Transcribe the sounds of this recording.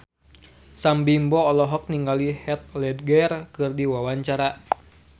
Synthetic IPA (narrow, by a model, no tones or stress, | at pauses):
sambimbɔːlɔɦɔk̚niŋɡalihɛt̪̚lɛd̪̚ɡɛrkɨrdiwawaɲt͡ʃaɾa